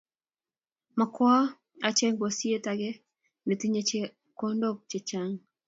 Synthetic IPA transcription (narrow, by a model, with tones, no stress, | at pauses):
ma˨kwɔ˦ | a˨t͡ʃe˦ŋɡo˨si˦e˦ta˨ɡɛ˦ | ne˨ti˦ɲe˦t͡ʃe˦ | ko˦ndo˦k̚t͡ʃe˨t͡ʃa˦ŋ